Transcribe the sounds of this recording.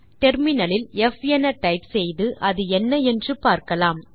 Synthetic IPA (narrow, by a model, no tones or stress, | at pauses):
ʈɛɾmɪnɐlɪlɛfɛnɐʈɐɪpsɛjðɯʔɐðɯɛnːɐɛndrɯpaːɾkɐlaːm